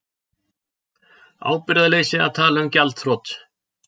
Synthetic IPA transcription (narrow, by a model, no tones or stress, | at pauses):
a̰ːwpɪɾðaleːjsɪa̰t̪ʰaːlʏmcalt̪θɾɔt̪